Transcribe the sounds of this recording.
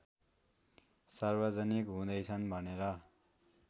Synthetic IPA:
sarbʌd͡zʌnikɦũd̪ʌjt͡sʰʌnbʱʌneɾʌ

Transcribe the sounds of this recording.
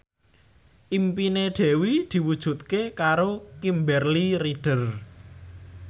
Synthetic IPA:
ʔimpineɖ̪̥ɛ̤wid̪̥i̤wud̥ʒ̥ṳt̪̚kekaɾokimbɛrliɾiɖ̥ər

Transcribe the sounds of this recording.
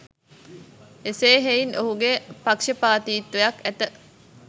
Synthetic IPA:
eseːɦeinʔoɦuɡepakʂəpaːt̪iːt̪ːujɐkæt̪ə

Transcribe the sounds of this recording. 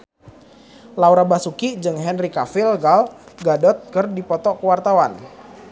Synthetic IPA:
lauɾabasukid͡ʒɨŋɦɛnrikafilɡalɡadɔt̪̚kərdipɔt̪ɔkəwart̪awan

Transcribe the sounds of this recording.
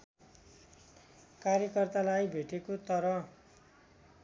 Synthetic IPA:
kaɾjʌkʌrt̪alajbʱeʈekot̪ʌɾʌ

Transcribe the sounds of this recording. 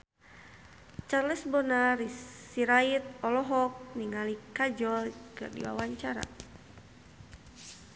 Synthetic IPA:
t͡ʃarlɛsbɔnaɾiiɾait̪̚ɔlɔɦɔk̚niŋalikad͡ʒɔlkɨ̰rdḭwa̰waɲt͡ʃaɾa̰

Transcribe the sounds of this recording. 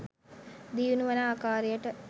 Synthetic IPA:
d̪iːʋunuʋɐnaːkaːɾijɐʈːɐ

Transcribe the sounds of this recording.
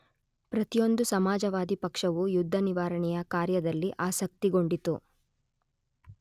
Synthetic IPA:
pɾɐt̪ijo̞nd̪usɐmaːd͡ʒɐʋaːd̪ipɐkʂɐʋujud̪ʱːɐniʋaːɾɐɳɛjɐkaːɾjɐd̪ɐlːiʔaːsɐk̚t̪iɡo̞ɳɖit̪u

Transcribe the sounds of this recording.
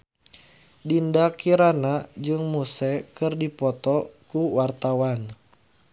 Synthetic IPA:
dindakiɾanad͡ʒɨŋmusɛkɨrdipɔt̪ɔkuwart̪awan

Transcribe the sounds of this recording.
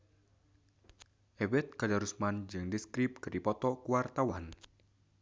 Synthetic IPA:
ʔɛbɛt̪̚kadaɾusmand͡ʒɨŋdiskɾip̚kɨrdipɔt̪ɔkuwart̪awan

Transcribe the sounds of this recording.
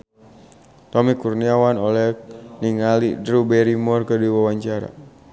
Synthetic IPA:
t̪ɔmikurniawanolɛniŋalidɾubɛɾimɔrkəduwawaɲt͡ʃaɾa̰

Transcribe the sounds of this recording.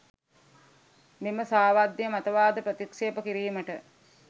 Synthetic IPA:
meməsaːʋad̪jəmɐt̪ɐʋaːd̪əpɾət̪ikseːpəkiɾiːməʈə

